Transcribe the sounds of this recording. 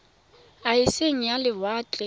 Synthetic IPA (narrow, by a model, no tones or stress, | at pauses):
aɪseŋ̩jalɪbaːt͡ɬʼɛ